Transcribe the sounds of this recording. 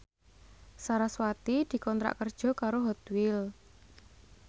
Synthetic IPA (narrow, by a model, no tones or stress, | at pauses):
saɾaswat̪id̪̥i̤kɔnt̪ɾa̰ʔkərd̥ʒ̥ɔ̤kaɾoɦɔt̪wɪl